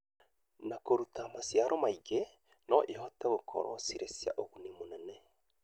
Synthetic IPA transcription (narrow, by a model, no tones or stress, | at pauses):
nakoɾutamasjaɾʔomaiɡɛ | nɔʔeɦɔtɛɣokʰɔ̰ɾɔ̰siɾesja̰ʔoɣunimonɛnɛ